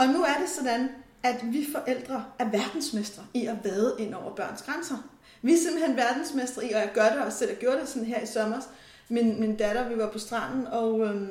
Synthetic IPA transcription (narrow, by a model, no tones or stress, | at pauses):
ɒ̽nuæɐɾe̝sɒ̽d̥æn | æd̥ʋifɒ̽ʔel̰d̥ʁɐæɐʋæɐd̥n̩smesd̥ʁɐiɒʋæːð̩ˠʔe̝n̰ɒʊɐb̥ɶɐ̰nsɡ̥ʁansɐ | ʋiæɐse̝mb̥l̩henʋæɐd̥n̩smesd̥ʁɐiɒ̽jɑ̈ɡ̥ɶɐɾe̝ɒ̽sel̰æɡ̥jo̝ːɐɾ̥esɒ̽nn̩ɦeɐisɒmɐs | minmind̥æɾɐʋiʋɑ̈pʰɒ̽sd̥ʁɑ̈n̰n̩ɒ̽ø